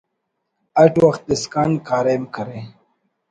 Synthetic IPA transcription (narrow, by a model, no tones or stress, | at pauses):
ɐʈwɐxt̪̚d̪eskaːnkʰaːɾeːmkʰɐɾe